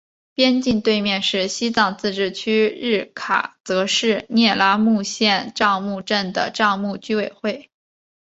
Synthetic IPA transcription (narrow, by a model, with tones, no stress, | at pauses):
pjɛ˥nt͡ɕi˥˧nt̪we˥˧ɪmjɛ˥˧nʂɻ̩˥˩ɕi˥t͡sɑ˨˩ŋt͡sɹ̩˥˧ʈ͡ʂɻ̩˥˩t͡ɕʰy˥ɻɻ̩˥˩kʰa̰˨˩t͡sɤ˧˥ʂɻ̩˥˧njɛ˥˩la˥mu˥˧ɕjɛ˥˧nʈ͡ʂɑ˥˧ŋmu˥˧ʈ͡ʂə˥˩nd̪ə̰˩ʈ͡ʂɑ˥˧ʊŋmu˥˩t͡ɕy˥we˨˩ɪxwe˥˩ɪ